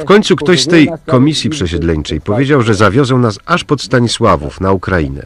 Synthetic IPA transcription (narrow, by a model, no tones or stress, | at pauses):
fkɔɲʲt̪sukt̪ɔɕst̪ɛjkɔmʲisʲjipʂɛɕɛd̪lɛɲt͡ʂɛjpɔvʲjed͡ʑawʐɛzavʲjɔzɛw̃nasaʂpɔt̪st̪aɲiswavṵfnaukɾajḭnɛ̰